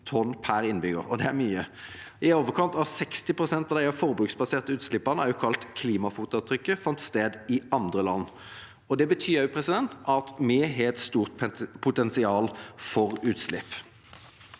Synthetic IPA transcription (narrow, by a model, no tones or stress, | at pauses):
t̪ʰɔnpʰæɾɪnbʏɡə̰ʁɔd̪ɛæɾmyːə | ɪoːʋəʁkʰɑnt̪ɑsɛkst̪ɪpʁʊsɛnt̪ɑʋd̪æɪɑfɔʁbɾʉːksbɑseːʁt̪əʉːt̪slɪpːəʁnəæʁjʊkʰɑlt̪kʰliːmɑfuːt̪ʊt̪ʰɾʏkːəfɑnt̪st̪eːd̪ɪʔɑnd̪ʁəlɑnː | ɔd̪ɛbət̪ʰyːjʉpʰɾɛsɪd̪ɛnt̪ʔɑt̪mɪɦɛɛt̪st̪uːʁt̪pʰʊt̪ɛnsɪɑːlfɔʁʉːt̪slɪpː